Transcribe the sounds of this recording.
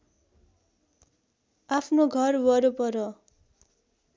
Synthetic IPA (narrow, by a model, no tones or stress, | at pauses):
apʰnoɡʱʌrwʌɾopʌɾʌ